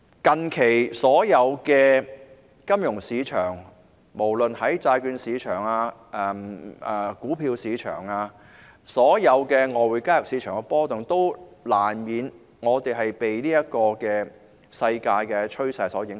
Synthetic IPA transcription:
kɐ˨nkʰe˨˩jsɔː˨˥jɐ˨˧wkɛː˧ | kɐ˥mjʊ˨˩ŋsiː˨˧t͡ʃʰœː˨˩ŋ | mo˨˩wlɵ˨nhɐ˨˥jt͡saː˧jkyː˧nsiː˨˧t͡ʃʰœː˨˩ŋaː˧ʔɛ˧ɛ˨˩kuː˨˥pʰiː˧wsiː˨˧˥t͡ʃʰœ̰ː˨˩ŋaː˧ | sɔː˨˥jɐ˨˧wkɛː˧ŋɔː˨˧wu˨˧jkaː˥jʊ˨˩k̚siː˨˧t͡ʃʰœː˨˩ŋkɛ˧pɔː˥t̪ʊ˨ŋt̪o˥wlaː˨˩nmiː˨˧n | ŋɔː˨˧t̪e˨jɦɐ˨jpe˨jniː˥jɐ˥kɔː˧kɛː˧ | sɐ˧jkaː˧jkɛː˧t͡ʃʰɵ˥ɥsɐ˧jsɔː˨˥jɪ˨˥ŋ

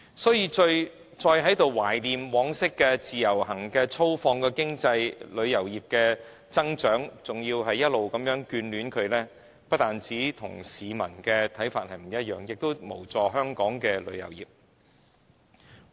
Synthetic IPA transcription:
sɔː˨˥jiː˧t͡ʃɵ˧ɥ | t͡sɔː˧jɦɐ˨˥jt̪o˨wwaː˨˩jliː˨mwɔː˨˧˥ŋsɪ˥kːɛː˧t͡siː˨jɐ˨˩whɐ˨˩ŋkɛː˧t͡sʰo˥wfɔː˧ŋkɛː˧kɪ˥ŋt͡sɐ˧jlɵ˨˧ɥjɐ˨˩wjiː˨˩p̚kɛː˧ | t͡sɐ˥ŋt͡ʃœː˨˥ŋt͡sʊ˨ŋjiː˧wɦɐ˨jːɐ˥t̚lo˨wkɐ˨˧mjœː˨˥ŋkyː˨˧nlyː˨˥nkʰɵ˨˧ɥlɛː˥ | pɐ˥t̚t̪aː˨nt͡siː˨˥t̪ʰʊ̰˨˩ŋsiː˨˧mɐ̰˨˩nkɛ˧t̪ʰɐ˨˥jfaː˧t̚hɐ˨˩jm̩˨˩jɐ˥t̚jœː˨ŋjɪ˨k̚t̪o˥wmo̰˨˩wt͡sɔː˨ɦœː˥ŋkɔː˨˥ŋkɛː˧lɵ̰˨˧ɥjɐ̰˨˩wjḭː˨p̚

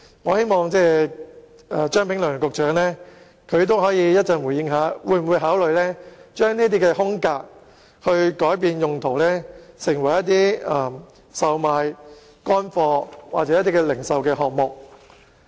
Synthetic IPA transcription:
ŋɔː˨˧he˥jmɔː˨˧ŋt͡sɛː˥˩ | a˧t͡ʃœː˥ŋpʰɪ˨˥ŋlœ˨˩ŋkʊ˨˧k̚t͡ʃœː˨˥ŋlɛː˥ | kʰɵ˨˧ɥt̪̬o˥wɦɔː˨˥jiː˧jɐ˥t̚t͡sɐ˨nwu˨˩jɪ˨˧ŋɦaː˨˥wuː˨˧jm̩˨wu˨˧jɦaː˨˥wlɵ˨ɥlɛː˥t͡ʃœː˥ŋniː˥t̪̬iː˥kɛː˧hʊ˥ŋkaː˧k̚ | hɵ˧ɥkɔː˨˥jp̬iː˧njʊ˨ŋt̪ʰo˨˩wlɛː˥sɪ˨˩ŋwɐ˨˩jɐ˥t̚t̪iː˥ɐː˨˩ | sɐ˨˧wmaː˨˧j | kɔː˥nfɔː˧waː˨t̚t͡sɛ˨˧jɐ˥t̪iː˥kɛː˧lɪ˨˩ŋsɐ˨wkɛː˧ɦɔː˨k̚mʊ˨k̚

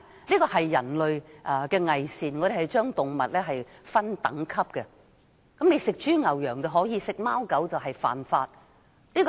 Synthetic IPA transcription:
liː˥kɔː˧ɦɐ˨jːɐ̰˨˩nlɵ˨ɥʔkɛː˧ŋɐ˨jsiː˨nŋɔː˨˧d̪e˨ɦɐ˨˩jt͡ʃœː˥ŋt̪ʊ˨ŋmɐ˨t̚lɛː˥ɦɐ˨jfɐ˥nt̪ɐ̰˨˥ŋkʰɐ˥p̚kɛ˧ | kɐ˨˥mne˨˧jsɪ˨k̚t͡ʃyː˥ŋɐ˨wjœː˨˩ŋt̪ɐ˧ɦɔː˨˥jiː˨˧sɪ˨k̚maː˥wkɐ˨˥wt͡sɐ˨wɦɐ˨jfa̰ː˨nfaː˧t̚ | liː˥kɔ˧

